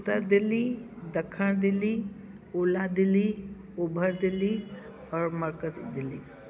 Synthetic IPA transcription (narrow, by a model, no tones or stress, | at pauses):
ʊt̪əɾd̪ilid̪əkʰːəɳ̃d̪ilːi | ulad̪ili | ubʱəɾd̪ili | ɔːɾməɾkəzḭd̪ili